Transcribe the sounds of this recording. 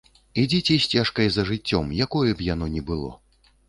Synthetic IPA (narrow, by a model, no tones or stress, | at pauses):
id͡zʲit͡sʲɛsʲt͡sʲaʂkɐjzɐʐɨt͡sʲːɔmjakɔjɛbjan̪ɔnʲɛbɨlˠɔ̰